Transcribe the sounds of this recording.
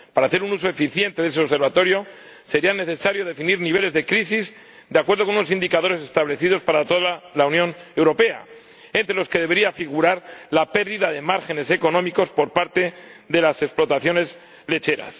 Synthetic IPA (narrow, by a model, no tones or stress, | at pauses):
paɾaːθe̞ɾunuso̞e̞fiθje̞nt̪e̞ðe̞s̬e̞ose̞ɾβat̪o̞ɾjo̞ | se̞ɾiane̞θe̞saɾjo̞ðe̞finiɾniβe̞le̞zðe̞kɾisiz | d̪eakwe̞ɾð̞okonuno̞sind̪ikaðo̞ɾese̞st̪aβle̞θiðo̞spaɾat̪oðalaunjo̞ne̞wɾo̞pe̞a̰ | e̞nt̪ɾelo̞ske̞ðeβe̞ɾiafiɣuɾaɾlape̞ɾðiðaðe̞maɾxe̞ne̞se̞ko̞nõ̞miko̞spo̞ɾpaɾt̪e̞ðe̞lase̞ksplo̞t̪aθjo̞ne̞z | le̞t͡ʃe̞ɾa̰s